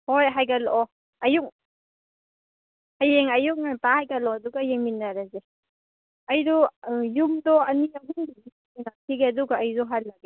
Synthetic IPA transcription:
hojɦajɡalɔ | ɐjuk̚ | hajeŋajuk̚natahajɡalɔaduɡajeŋminːaɾaze | ajɾɔjumdɔɐniaɦuŋbini | inatʰiɡeduɡaːjzɔɦat̚laɡe

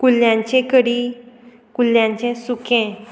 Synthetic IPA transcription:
kulːjãɲt͡ɕẽkəɽi | kuljãɲt͡ɕẽsukẽ

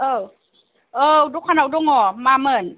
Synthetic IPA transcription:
ʔɤː | ʔɤːduːk̚ʰaːnawdoŋɔːmaːmɤːn

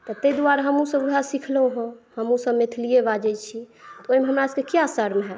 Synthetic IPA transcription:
t̪ɔt̪ejd̪uaɾaɦəmũsə̃buɦasikʰləũɦũhəmũsəbmet̪ʰlijebad͡ʒɛt͡ʃʰit̪ɔojmẽɦəmɾaskekijasəɾmɦɛ

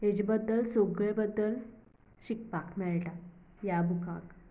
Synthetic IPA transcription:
ɦed͡ʑibəd̪ːəlsoɡɭebəd̪ːəl | ɕik̚pakmɛɭʈa | jabʱukã̰k

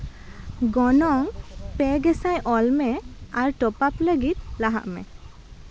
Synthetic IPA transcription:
ɡɔnɔŋpɛɡɛsajʔɔlmɛaɾʈɔpapləɡit̪̚laɦa̰ʔmɛ̰

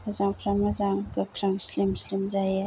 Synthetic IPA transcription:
azaŋkʰɾamazaŋɡakʰɾaŋslimslimzaj

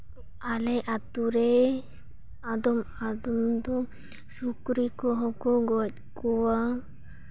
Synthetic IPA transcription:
alɛʔat̪uɾɛ | ad̪ɔm | ad̪ɔmd̪ɔ | sukɾikɔɦɔkɔɡɔc̚kɔwa

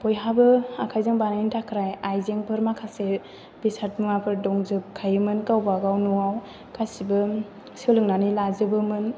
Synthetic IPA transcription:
pɔjɦabɯakʰajzɯŋbanajntʰakʰɾajajzeŋpʰɯɾmakʰase | bisat̚mɯŋapʰɯɾdɔŋzɯp̚kʰajɯmɯnkawbaɡawnuaw | kasibɯ | sɯlɯŋnanilazɯbɯmɯn

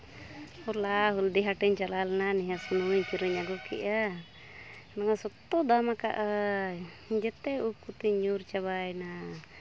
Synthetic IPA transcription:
ɔɾlaɦuld̪iɦaʈɛɲt͡ʃalalɛnanɛɦasɔnuɲkiɾəɲaɡɔkḭʔa | naŋasɔt̪ːɔd̪amaka̰ʔa | d͡ʒɛt̪ɛup̚kut̪iɲuɾt͡ʃaβajna

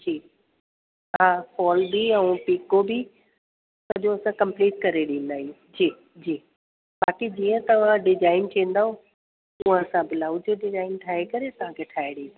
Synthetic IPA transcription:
d͡ʑiː | ɦakʰɔːlbiɛ̃ũpiːkobi | sɐʄõɐsãkɐ̃mpliːʈ̚kɐɾeɗĩːn̆d̪aːɦi | d͡ʑiː | d͡ʑiː | baːkid͡ʑiːə̃t̪ɐʋ̤ãɖɪzaːɪntʰĩːn̆d̪aːɦo | ʊ̃ːãɐsãbɪlaːud͡ʑoɖɪzaːɪnʈʰaːekɐɾet̪ɐʋ̤ãkʰeʈʰaːeɗina

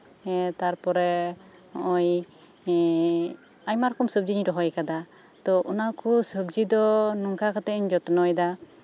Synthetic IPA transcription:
ɛt̪aɾpɔɾɛ | ɔj | ajmaɾkɔmsɔb̚d͡ʒiɲiɾɔɦɔjkad̪a | t̪ɔʔɔnakusəbd͡ʒid̪ɔnɔŋkakat̪ɛɲd͡ʒɔt̪ɔnɔjd̪a

